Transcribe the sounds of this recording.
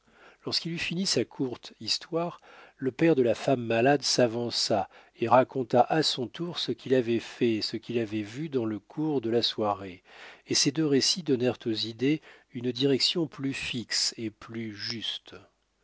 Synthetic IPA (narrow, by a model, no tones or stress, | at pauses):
lɔʁskilyfinisakʰuʁt̪ist̪waʁ | ləpɛʁd̪əlafamːalad̪savɑ̃sa | eʁakɔ̃t̪aʔasɔ̃t̪uʁsəkʰʲilavɛfɛsəkʲilavɛvyd̪ɑ̃ləkʰuʁd̪əlaswaʁeːsed̪øʁesid̪ɔnɛʁt̪ozid̪eynd̪iʁɛksjɔ̃plyfikseplyʒyst̪